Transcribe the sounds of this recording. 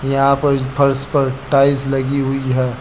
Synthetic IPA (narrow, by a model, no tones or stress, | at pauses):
jɐɦãpɐɾpʰɐɾspɐɾʈaːɪslɐɡiɦʊiɦɛː